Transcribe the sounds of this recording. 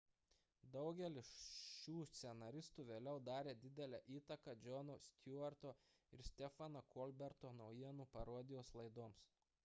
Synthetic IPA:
d̪ɒʊɡʲɛlʲɪsʃʲuːsʲt̪sʲɛnɐɾʲɪst̪uːʋʲeːlʲɛʊd̪ɑːɾʲeːd̪ʲɪd̪ʲɛlʲæʔiːt̪ɐkɐd͡ʒʲɔnuːsʲt̪ʲuɐɾt̪oː | ɪɾsʲt̪ʲɛfɐnɐkɔːlʲbʲɛɾt̪oːnɒʊjiɛnuːpɐɾoːd̪ʲɪjoːslˠɐɪd̪oːms

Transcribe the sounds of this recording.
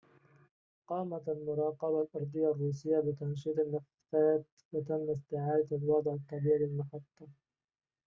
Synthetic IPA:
qɑːmaalmʊɾˤɑːqɑbalʔɑɾˤd̪ˤɨjːarˤːuːs̬ɪjːabɪt̪ɑnʃ̬iːt̪ˤɪlːɪf | faːt̪ | wat̪amːɪst̪ɪʕaːd̪aalwɑd̪ˤʕɑt̪ˤːɑbiːlɪlmʊħat̪ˤːɑ

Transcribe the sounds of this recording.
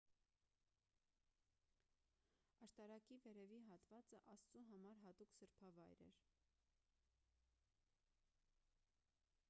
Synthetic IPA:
ɑʃt̪ɑɾɑkivɛɾɛviɦɑt̪vɑt͡səʔɑst͡suɦɑmɑɾɦɑt̪uksəɾpʰɑvɑjɾɛ̰ɾ

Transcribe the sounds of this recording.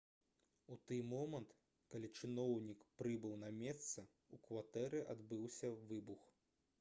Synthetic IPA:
ut̪ɨjmɔmɐnt̪ | kalʲit͡ʂɨnɔwnʲikpɾɨbɨwnɐmʲɛst̪sɐ | ukvat̪ɛɾɨʔad̪bɨwsʲɐvɨbux

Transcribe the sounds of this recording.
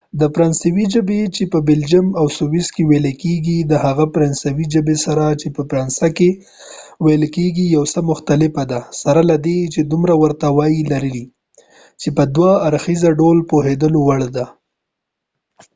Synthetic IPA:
d̪əpɾansawid͡ʒəbet͡ʃepəbɪld͡ʒamawsuwiskeweləkeɡid̪əhaɣapɾansawid͡ʒəbesaɾat͡ʃepəpɾansake | wajəlkeɡijawsəmʊxt̪alɪfad̪asaɾalad̪et͡ʃed̪umɾawəɾt̪awɑjilaɾili | t͡ʃepəd̪waaːɾxizaɖolpoɦed̪əlowaɽd̪a

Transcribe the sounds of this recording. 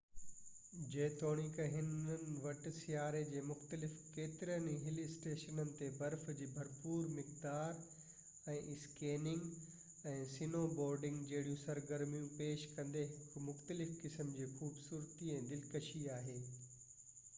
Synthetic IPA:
d͡ʑeːt̪oːɽ̃ikɐɦɪnənɪ̆ʋɐʈ̆sɪjaːɾed͡ʑeːmʊxt̪əlɪfkeːt̪ɪɾənɦɪliɪsʈeːʃənənɪ̆t̪ebɐɾfd͡ʑiːbʱɐɾpuːɾmɪkd̪aːɾ | ɛ̃ːʔɪskeːnɪ̃ŋɡ | ɛ̃ːsinoːbɔːɾɖɪ̃ŋɡd͡ʑɐɦɪɽijũsɐɾɡɐɾmijũpeːʃkɐ̃nd̪eɦɪkmʊxt̪əlɪfkɪsəmd͡ʑiːxuːbsuːɾt̪iɛ̃ːd̪ɪlkɐʃiaːɦeː

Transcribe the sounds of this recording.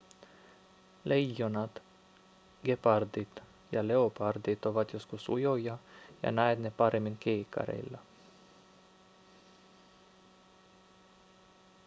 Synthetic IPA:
lejːonɑt̪ | ɡepɑrd̪it̪ | jɑle̞opɑrd̪it̪oʋɑt̪jo̞skusṵjojɑjɑ̰næet̪nepɑɾemːiŋkeːkːɑ̰ɾḛlːɑ

